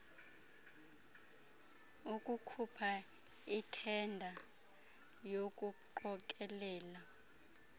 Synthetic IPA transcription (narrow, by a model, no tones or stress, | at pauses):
ukʼukʰupʰa | itʰɛndʱa | jokʼuǃɔk̬ʼɛlɛːla